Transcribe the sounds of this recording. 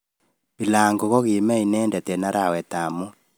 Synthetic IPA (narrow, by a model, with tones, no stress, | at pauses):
bi˨laːŋɡo˨ɣɔ˦ɣe˨mɛ˦i˨nɛː˦ndɛ˨tɛ˨na˦ɾawɛ˨ta˨mu˦